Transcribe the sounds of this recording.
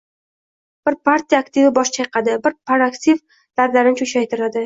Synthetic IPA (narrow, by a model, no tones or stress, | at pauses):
b̥ɪɾpʰaɾt̪ijakt̪ɪvɪbɒʃt͡ʃʰajqʰɑd̪ɪbɪɾpʰaɾakt̪iv | d̪̥ad̪laɾɪnɪt͡ʃʰʊʃajt̪ʰɪɾad̪ɪ